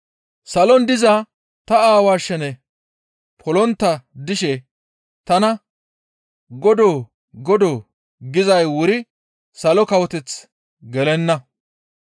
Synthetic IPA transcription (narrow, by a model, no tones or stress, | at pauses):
sɐlɔnd̪ɪza | t̪ɐaːwaːʃɛnɛ | pʰɔlɔnt̪ːɐd̪ɪʃɛ | t̪ɐnɐ | ɡɔd̪oː | ɡɔd̪oː | ɡɪzɐjwʊɾɪ | sɐlɔkɐwɔt̪ɛt͡s | ɡɛlɛnːɐ